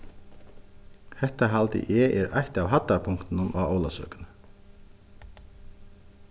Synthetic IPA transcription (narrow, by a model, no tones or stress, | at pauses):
hɛht̪aɦalt̪ɪ̰ʔɛʔɛɾʔa̰jht̪awɦat̪ːapʰʊŋkt̪ɪnʊnaoːwlasœ̰ːkʏnə